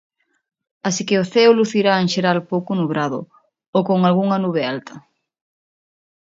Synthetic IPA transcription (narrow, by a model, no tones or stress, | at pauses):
asikɪoθɛoluθiɾaeŋʃeɾalpowkʊnuβɾaðʊ̰ | okoŋalɣuŋɐnuβ̞ealt̪ɐ